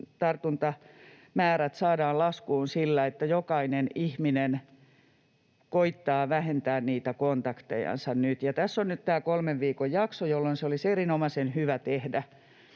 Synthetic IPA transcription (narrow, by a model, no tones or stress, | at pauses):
t̪ɑrt̪unt̪ɑ | mæːɾæt̪sɑːdɑːllɑskuːnsilːæet̪ːæjokɑinenihminen | koit̪ːɑːʋæhent̪æːnniːt̪ækont̪ɑkt̪ḛjɑ̰nsɑnnyt̪jɑt̪æsːonnyt̪t̪æːkolmeʋʋiːkojjɑksojolːonseoliserinomɑsenhyʋæt̪ehdæ